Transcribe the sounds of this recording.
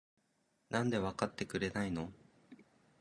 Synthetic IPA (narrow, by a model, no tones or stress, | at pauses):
nãnd̪e̞βakat̪ːe̞kɯ̟ɾe̞naino̞